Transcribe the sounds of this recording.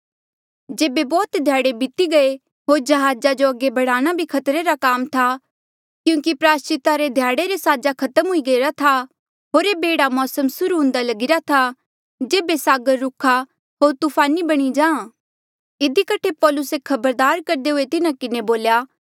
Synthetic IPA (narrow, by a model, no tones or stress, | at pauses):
d͡ʒeːbebɔːt̪d̪ʱjaːɽebɪt̪iɡɐe | ɦoːɾd͡ʒɐɦaːd͡ʒad͡ʒoɐɡebɐɽaːɽ̃abʱikʰɐt̪ɾeɾakaːmt̪ʰa | kjũːkipɾaːst͡ʃɪt̪aɾed̪ʱjaːɽeɾesaːd͡ʒakʰɐt̪əmɦʊiɡɐiɾat̪ʰa | ɦoːɾebeːɽamɔːsəmsʊɾuɦʊ̃ːnd̪alɐɡɪɾat̪ʰa | d͡ʒeːbesaːɡəɾːʊkʰa | ɦoːɾt̪upʰaːnibɐɽ̃id͡ʒãːã | ɪd̪ʱikɐʈʰepɔːlʊsekʰɐbəɾd̪aːɾkɐɾd̪eɦʊet̪ɪnãkɪneboːljaː